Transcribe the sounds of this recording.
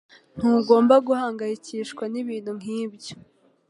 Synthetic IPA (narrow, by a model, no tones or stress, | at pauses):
n̥huːɡo̞ːmbaɡuhaːŋɡajiciːʃkwaniβiːn̥huŋ̥iːbɟo̥